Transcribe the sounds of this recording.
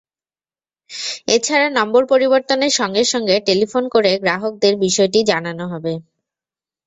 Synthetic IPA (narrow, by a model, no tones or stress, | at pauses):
et͡ɕʰaɾanɔmboɾpoɾiboɾt̪oneɾʃɔŋɡeɾʃɔŋɡeʈelifonkoɾeɡɾaɦok̚d̪eɾbiʃɔeʈid͡ʑananoɦɔbe